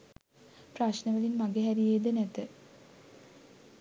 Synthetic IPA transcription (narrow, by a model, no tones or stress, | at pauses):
praʃnəʋəlinmaɡeɦæɾijeːd̪ənæt̪ə